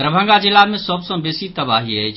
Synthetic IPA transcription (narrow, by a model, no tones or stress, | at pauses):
ɾəbʱə̃ŋɡazɪlamẽsɔːbsõbeːsit̪ɐbaːɦiɦɛ